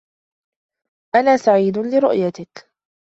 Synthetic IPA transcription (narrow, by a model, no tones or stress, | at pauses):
ʔanaːsaʕiːd̪ʊlɪɾʊ̰ʔjat̪ɪk